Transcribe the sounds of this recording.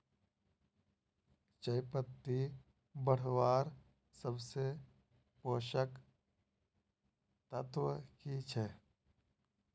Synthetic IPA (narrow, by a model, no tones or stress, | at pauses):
t͡ʃəɪpət̪ːi | bəɽ̤ʋaːɾ | səbse | poːʃək | t̪ət̪wəkit͡ʃʰɛ